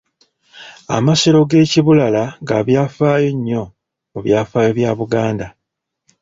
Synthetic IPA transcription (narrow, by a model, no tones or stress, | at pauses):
a̰maseɾo̞ɡe̞ːciβulalaŋɡaβjaːfaːjo̞ɲːo̞ | oβjaːfaːjo̞βjaːβuɡaːnda